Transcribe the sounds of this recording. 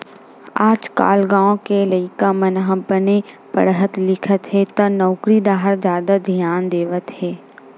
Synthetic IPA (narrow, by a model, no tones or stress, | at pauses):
aːd͡ʒka̰ːlɡãːõkeləɪkamənɦãbəne | pə̰ɽɦət̪lɪkʰət̪ɦɛt̪ɐnɔːkɾid̪aːɦəɾzjaːd̪ad̪ʱjaːnd̪eːʋət̪ɦɛː